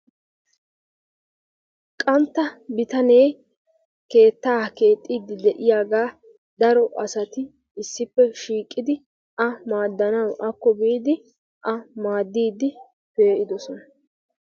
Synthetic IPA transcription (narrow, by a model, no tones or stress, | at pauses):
kʼɐnt̪ːɐbɪt̪ɐne̞j | ke̞ːt̪ːaːke̞ːt̪ʼːiːd̪ːɪd̪ɛʔɪjaːɡaː | d̪ɐɾɔʔɐsɐt̪ɪ | ɪsːɪpːɛʃiːkʼːɪd̪ɪ | ʔɐmaːd̪ːɐnɐwʔɐkːɔbiːd̪ɪ | ʔɐmaːd̪ːiːd̪ɪ | pe̞ːʔɪd̪ɔsɔnɐ